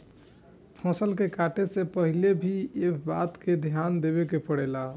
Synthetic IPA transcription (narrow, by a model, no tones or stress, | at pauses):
pʰɔ̃səlkekaʈesẽpəɦilebʱiebat̪ked̪ʱjand̪eβekepəɽɛla